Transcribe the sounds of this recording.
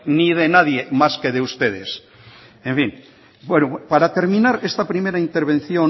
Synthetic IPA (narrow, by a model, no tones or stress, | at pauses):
nið̞enaðjemaskeðeust̪eðes | eɱfin | bwenupaɾat̪e̞ɾmĩnaɾest̪apɾimeɾaint̪eɾβ̞ẽ̞nθjo